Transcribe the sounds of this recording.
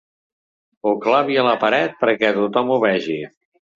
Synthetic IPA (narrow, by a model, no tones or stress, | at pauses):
uklaβiələpəɾɛt̪̚pəɾkɛt̪ut̪ɔmuβɛʒi